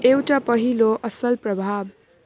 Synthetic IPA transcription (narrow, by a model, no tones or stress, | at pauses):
ewʈapʌɦiloʔʌsʌlprʌbʱab